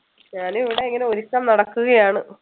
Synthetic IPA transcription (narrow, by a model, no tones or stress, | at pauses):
ɲaːnuiʋiɽeːŋːɡɐleoɾukːaːmnɐɽɐkːuɣɐjaːɳɨ